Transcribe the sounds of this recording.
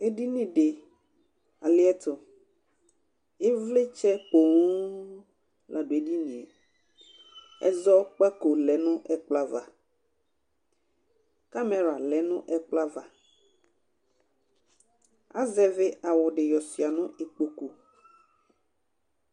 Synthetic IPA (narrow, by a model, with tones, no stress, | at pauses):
e˦ɖi˦nĩ˦ɖe˨ | a˨le˦ɛ˦t̪o˨ | e˦vle˦t͡ʃɛ˦k͡po˨ŋu˦ | lʔa˨ɖo˨e˦ɖi˦nĩ˨e˨ | ɛ̰˦zɔ˦k͡pa˦ko˨lɛ˨nũ˦ʔɛ˦k͡pla˦va˨ | ka˦me˨ɾa˨lɛ˨nũ˦ʔɛ˦k͡pla˦va˨ | a̰˦zɛ˦ve˦a˨wɔ˨ɖe˨jɔ˨si˨a˨nũ˦ʔe˨k͡po˨ku˦